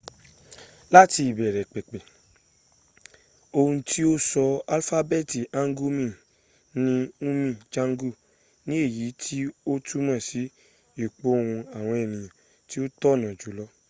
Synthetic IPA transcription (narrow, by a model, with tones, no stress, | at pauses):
la˦ti˧i˨bɛ˨ɾɛ˨k͡pe˨k͡pe˨ | o˧hũ˧tʰi˦o˦sɔ˧a˧lfa˦bɛ˦˨ti˨ã˦ŋ˦ɡu˦mĩ˦˨ | nĩ˦ũ˦mĩ˦˨d͡ʒã˦ŋ˦ɡu˦˨ | nĩ˦e˦˨ji˨˦tʰi˦o˦tʰu˦mã˦˨si˨˦ | e˦˨k͡po˨˦o˦˧hũ˧a˨w̃ɔ̃˧e˨nĩ˨jã˨ | ti˦o˦tɔ˦˨nã˨d͡ʒu˨˦lɔ˧˦